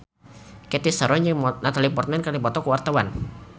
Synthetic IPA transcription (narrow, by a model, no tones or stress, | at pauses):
kɛt̪isaɾɔɲd͡ʒəmnat̪alipɔrt̪̚mɛnkarlipɔt̪ɔkəwart̪awan